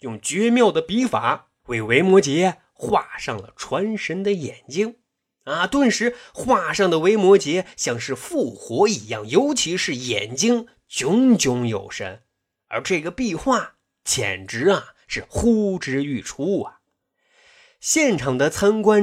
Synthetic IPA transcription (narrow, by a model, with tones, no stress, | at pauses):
jʊ˥˩ŋt͡ɕɥɛ˧˥mjɑ˥˩ʊd̪ə˩pi˧˥fa˨˧˩ | we˧˩ɪwe˧˥ɪmwɔ˧˥t͡ɕjɛ˧˥ | xwa˥˧ʂɑ˥˩ŋlə̰˩ʈ͡ʂʰwa˧˥nʂə˧˥nd̪ə˨jɛ˨˩nt͡ɕi˥ŋ | ɐ˧t̪wə˥˧nʂɻ̩˧˥xwa˥˧ʂɑ˥˩ŋd̪ə˩we˧˥ɪmwɔ˧˥t͡ɕjɛ˧˥ɕjɑ˥˧ŋʂɻ̩˥˧fu˥˩xwɔ˧˥i˨˧˩jɑ˥˩ŋjo˧˥ʊt͡ɕʰi˧˥ʂɻ̩˥˩jɛ̰˨˩nt͡ɕi˥ŋ | t͡ɕjʊ˧˥ŋt͡ɕjʊ˧˥ŋjo˨˩ʊʂə̰˧˥n | ə̰˞˧˥ʈ͡ʂɤ˥˩ɡə˩pi˥˧xwa˥˩ | t͡ɕʰjɛ̰˨˩nʈ͡ʂɻ̩˧˥ɐ˨ʂɻ̩˥˩xu˥ʈ͡ʂɻ̩˧˥y˥˩ʈ͡ʂʰu˥ɐ˨˩ | ɕjɛ˥˩nʈ͡ʂʰɑ˨˩ŋd̪ə˧t͡sʰa˥nkwa˥n